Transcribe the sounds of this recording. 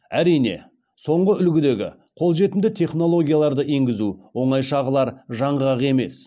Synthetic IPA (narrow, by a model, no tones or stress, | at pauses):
æɾijne̞̰ | so̞ɴʁəʏlɡʲɪd̪e̞ɡʲɪ̰ | qʰo̞lˠʒe̞t̪ɪmd̪ɪt̪ʰe̞χno̞lˠo̞ɡʲijalˠɑɾd̪əʔe̞ŋɡʲɪzuwo̞ɴɑjʃɑʁəlˠɑɾʒɑɴʁəɾɑʁe̞me̞̰s